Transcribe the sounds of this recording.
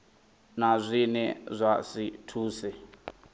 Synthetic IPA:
nazʷinɛzʷasitʰuːsɛ

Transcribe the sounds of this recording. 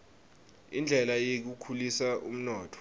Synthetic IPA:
ḭnd͡ɮʱɛlajek̬ukʰulisaʔṵm̩nɔːtʰɔ̥

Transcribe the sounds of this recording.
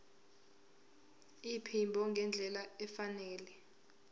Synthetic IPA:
ipʰimbʱɔŋɡʱɛnd͡ɮʱɛlaɛfanɛːlɛ

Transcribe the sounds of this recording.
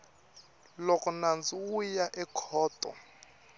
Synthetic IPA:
lokʼunand͡zʱujaʔɛkʰɔːtʼɔ̰

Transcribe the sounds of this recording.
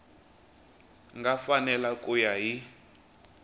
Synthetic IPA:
ŋɡafanɛlakʼujaɦi

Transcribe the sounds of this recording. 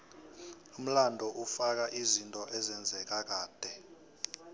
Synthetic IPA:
um̩landʱɔʔufak̬aʔizintʼɔʔɛzɛnd͡zʱɛk̬ak̬aːd̥ʱɛ

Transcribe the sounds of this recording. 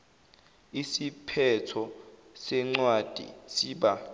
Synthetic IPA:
isipʰɛtʰɔ | sɛŋ͡ǀwad̥ʱḭsiɓa

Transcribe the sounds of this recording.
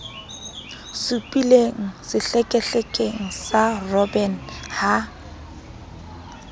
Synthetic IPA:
sʊpʼileŋ̩sɪɬɛkʼɛɬɛkʼeŋ̩sarɔbɛn̩ha

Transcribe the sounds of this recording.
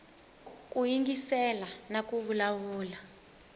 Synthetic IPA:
k̬ʼujiŋɡisɛlanak̬ʼuvulawuːla

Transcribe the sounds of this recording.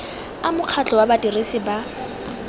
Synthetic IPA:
amʊq͡χʰat͡ɬʼɔwabatʼirisɪba

